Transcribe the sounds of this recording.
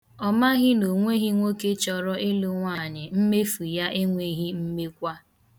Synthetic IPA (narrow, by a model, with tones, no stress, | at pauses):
ɔ˦ma˦ɣɪ˦no˨ŋʷe˦ɣi˦ŋʷo˦ke˦t͡ʃɔ˨ɾɔ˦ʔe˦lo˦ŋʷa˦˨ɲɪ˨m̩˦me˦fu˨ja˦ʔe˦ŋʷe˨ɣi˦m̩˦me˦kʷa˦